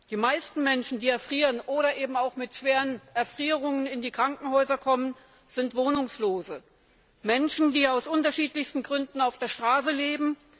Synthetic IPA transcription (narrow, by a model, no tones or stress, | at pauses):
d̥iːmaɪstn̩mɛnʃn̩diːɛɐfʁ̥iːʁənʔoːɾɐʔeːbm̩aʊxmɪtʃv̥eːʁənʔɛɐfʁ̥iːʁʊŋənɪndiːkʁ̥aŋkŋ̩hɔʏzɐkʰɔmən | z̥ɪntv̥oːnʊŋsloːzə | mɛnʃn̩diːaʊsʔʊntɐʃiːtlɪçstn̩ɡʁʏndn̩aʊfd̥eːɐʃtʁ̥aːs̬əleːbm̩